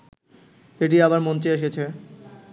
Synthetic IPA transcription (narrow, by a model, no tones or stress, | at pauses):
eʈ̬iabaɾmont͡ɕeeʃ̬et͡ɕʰe